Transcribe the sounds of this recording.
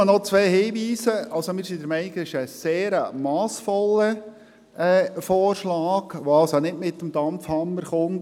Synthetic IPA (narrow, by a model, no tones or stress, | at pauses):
ənɔt͡sʋɛːhiːʋiːsəʔɑlsomɪːɾsidɛɾmɛɪniɡɪʃəseːɾəmɑːsfɔlə | ɛːfɔːrʃlɑːɡ̥ʋoɑlsonɪdmɪtːəmd̥ɑmfhɑmːəɾχʊn